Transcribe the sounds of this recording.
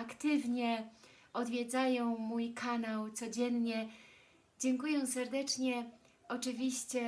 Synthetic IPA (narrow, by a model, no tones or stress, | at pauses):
akt̪ɘvɲɛ | ɔd̪vʲjɛd̪zajɔ̃w̃mujkʰanawt̪sɔd͡ʑɛnɲɛ | d͡ʑɛŋkujɛw̃sɛɾd̪ɛt͡ʂɲɛ | ɔt͡ʂɘvʲiɕt͡ɕɛ